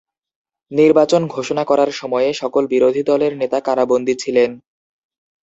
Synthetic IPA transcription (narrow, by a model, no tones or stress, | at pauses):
niɾbat͡ɕonɡʱoʃonakɔɾaɾʃɔmɔeeʃɔkolbiɾod̪ʱid̪ɔleɾnet̪akaɾabond̪ʱit͡ɕʰilen